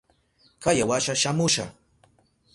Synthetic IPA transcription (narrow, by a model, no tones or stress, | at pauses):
kajawaʃaʃamʊʃa̰